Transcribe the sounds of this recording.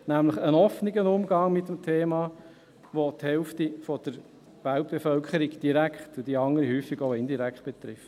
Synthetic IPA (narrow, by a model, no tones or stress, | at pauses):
næmləχənɔfniɡənʊmɡɑŋmɪt̪ːəmt̪ʰeːmɑː | ʋot̪hɛlftifɔd̥̪əɾ | ʋæltb̥efœlkʰχəɾiɡd̥iɾækχt̪ʊd̥iɑŋəɾihyːfiɡoʊɪnd̪iɾækχt̚b̥et̪ɾɪft